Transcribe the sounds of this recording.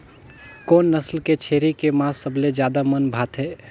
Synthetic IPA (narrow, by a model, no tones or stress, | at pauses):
koːnːəslket͡ʃʰeːɾikemãːsəbled͡ʒjaːd̪amənbʱaːt̪ɦɛː